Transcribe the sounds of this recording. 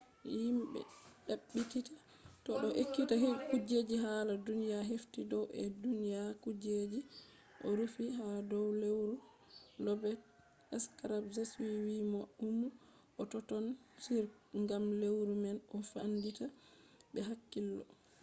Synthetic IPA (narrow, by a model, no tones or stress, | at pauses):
jimbɛ̰ɗaɓːititḁ | tɔɗɔʔekːitaɦikud͡ʒed͡ʒiɦaladunijaɦeftidɔwʔɛ̰dunijakud͡ʒed͡ʒi | ʔɔ̰ɾufiɦadɔwlewɾu | lɔbɛt | ɛskaɾabzaswiwimaʔumu | ʔɔtɔtɔnsiɾ | ŋɡamlewɾumɛnʔɔfandita | bɛɦakːilːɔ̰